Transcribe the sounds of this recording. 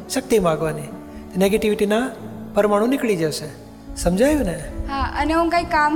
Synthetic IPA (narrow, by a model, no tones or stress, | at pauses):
ʃək̚t̪imãɡʋani | t̪oneɡeʈiʋiʈinapəɾəmaɽ̃ũnɪkɭid͡ʒəʃe | səmd͡ʒʱajũneɦãəneũnkaikːam